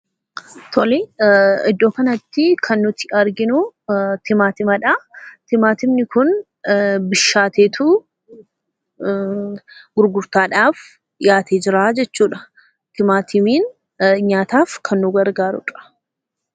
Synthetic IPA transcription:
t̪ʰɔliɪd̪ːo̞ːkɐnɐt̪ːɪkʰɐnːʊt̪ɪ̥ɐɾɡɪnʊt̪ɪmaːt̪ɪmɐᶑɐt̪ɪmaːt̪ɪmnɪkʊn | bɪʃːaːt̪eːt̪ʰʊ | ɡ̥ʊɾɡʊɾt̪aːᶑaːf | jaːt̪ʰeːd͡ʒɪɾaːd͡ʒɛt͡ʃːuːᶑɐ̥ | t̪ɪmaːt̪ʰɪmiːn | ɲaːt̪aːfkʰɐnːʊɡɐɾɡaːɾʊ̰ᶑɐ̥

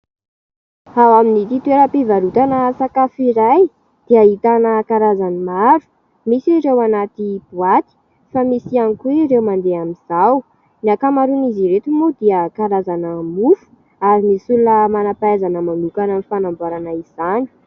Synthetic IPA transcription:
hawaminit̪it̪ueɾəpivaɾut̪anəsakafiɾaj | d̪̥iaɦit̪anəkaɾazanimaɾu̥ | misiɾewanat̪ib̥uat̪i̥ | famisianikuweɾewmand̪eamiz̥aw | niakamaɾuniziɾet̪umud̪iəkaɾazanəmufu̥ | aɾimisulunəmanapajzanəmanukanənifanamboɾanaiz̥ani̥

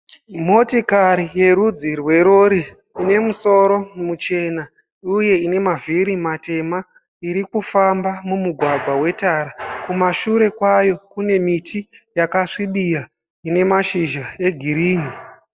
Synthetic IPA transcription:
mo̞tikaɾije̞ɾud͡zirwe̞ɾoɾiː | ne̞muso̞ɾo̞mut͡ʃe̞na | uje̞ine̞maviɾimate̞ma | iɾikufambamumuɡʱwaɡʱwawe̞taɾakumaʃuɾe̞kwajo̞kune̞mitʰijakaʂiɓija | ine̞maʃiʒae̞ɡʱiɾiːni

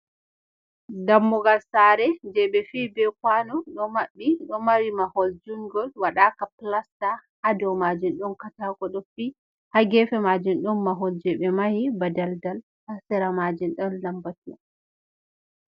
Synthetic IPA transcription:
damːɔɡalsaːɾɛd͡ʒɛɓɛfiːbɛkwanɔɗɔmaɓːiɗɔmaɾimahɔld͡ʒuŋɡɔlwaɗakaplastahadɔwmad͡ʒunɗɔnkatakɔɗɔfi | haɡɛfɛmad͡ʒunɗɔnmaɦɔld͡ʒɛɓɛmahibadaldal | hasɛɾamad͡ʒinɗɔnlambatia̰

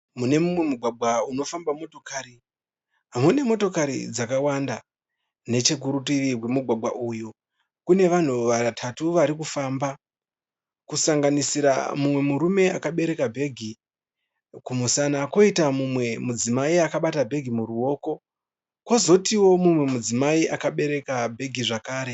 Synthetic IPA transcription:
mune̞mumwe̞muɡʱwaɡʱwauno̞fambamo̞to̞kaːɾi | ɦamune̞mo̞to̞kaɾḭd͡zakawanda | ne̞t͡ʃe̞k̬uɾutiʋiwemuɡʱwaɡʱwaʔuju | kune̞ʋan̤uʋatʰatuʋaɾikufaːmba | kusaŋɡanisiɾa̰mumwe̞muɾume̞a̰kaɓe̞ɾe̞kabʱe̞ɡʱi | kumusanako̞itamumwe̞mud͡zimaiakaɓatabʱe̞ɡʱimuruo̞ːko̞ | kwozo̞tiwo̞mumwe̞mud͡zimaiʔakaɓe̞ɾe̞kabʱe̞ɡʱiʐakaːɾe̞

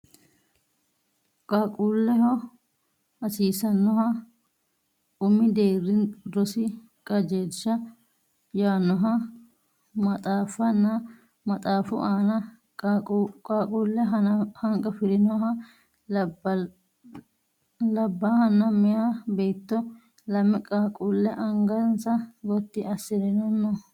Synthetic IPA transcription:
kʼakʼulːɛɦɔ | ɐsiːsɐnːɔɦɐ | ʊmːɪd̪eːrːɪndɔsɪ | kʼɐd͡ʒe̞ːtt͡ʃːɐ | jaːnːɔɦɐ | mɐt̪ʼaːfɐnːɐ | mɐt̪ʼaːfʊ̰ʔaːnɐ | kʼaːkʼuːlːɛɦɐhɐŋkʼɐfɪɾɪnɔɦɐ | lɐbːahɐnːɐmɛjabeːt̪ːɔ | lɐmːɛkʼaːkʼulːɛʔɐŋɡɐnsɐɡɔt̪ːɪʔɐsɪd̪ɛnɐnːɔ

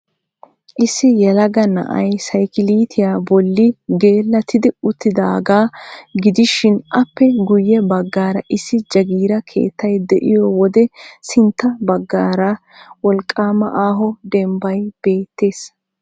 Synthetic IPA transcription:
ʔɪsːɪjɛlɐɡɐnɐ̰ʔɐ̰jsɐjkɪliːt̪ʰɪjaːbɔlːɪɡe̞ːlːɐt̪ʰɪd̪ɪʊt̪ːɪd̪aːɡaːɡɪd̪ɪʃɪnʔɐpːɛɡʊjːɛbɐɡːaːɾɐʔɪsːɪd͡ʒɐɡiːɾɐkʰe̞̰ːt̪ːɐjd̪ɛʔɪjɔwɔd̪ɛsɪnt̪ːɐbɐɡːaːɾɐ | wɔlkʼːaːmɐʔaːɦɔd̪ɛmbɐjb̥e̞ːt̪ːe̞ːs

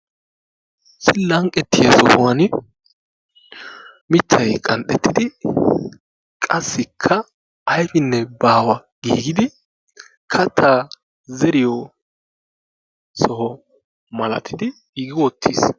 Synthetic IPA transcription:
sɪlːɐŋkʼɛt̪ːɪjɐsɔ̰hʊwɐn | mɪt̪ʰːɐjkʼɐnɗ̪ɛt̪ːɪd̪ɪ | kʼɐsːɪkʰːɐ | ɐjfɪnːɛbaːwɐɡ̥ḭːɡɪd̪ɪ | kʰɐt̪ʰːaː | zɛɾɪjɔ | sɔhɔ | mɐlɐ̰t̪ʰɪd̪ɪ | ɪɡɪwɔt̪ʰːḭs

